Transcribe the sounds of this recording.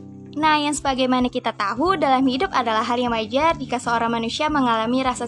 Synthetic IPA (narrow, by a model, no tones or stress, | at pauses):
nahjaŋsəbaɡajmanakit̪at̪aɦudalamhidʊpadalahɦːaljaŋmad͡ʒardikasəoɾaŋmanusiaməŋalamiɾasa